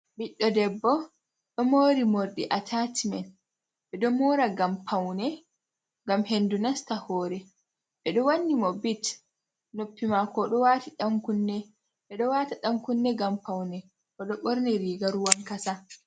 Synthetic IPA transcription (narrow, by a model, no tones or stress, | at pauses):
biɗːɔdɛbːɔ | ɗɔmoːɾimoɾɗiʔatʰatimɛn | ɓɛɗɔmɔːɾaɡampʰawnɛ | ŋɡamhendunastahɔːɾɛ | ɓɛɗɔwanːimɔbit | nopːimakɔɗɔwaːtiɗaŋkunːɛ | ɓɛɗɔwataɗaŋkunːɛɡampawnɛ | kɔɗɔɓɔɾnɛɾiːɡaɾuwaŋkasa